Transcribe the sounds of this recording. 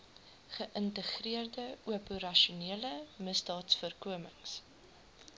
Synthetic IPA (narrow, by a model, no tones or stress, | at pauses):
χəʔəntəχriərdəuəpuɾɐʃuniələməsdɑːtsfərkuəməŋs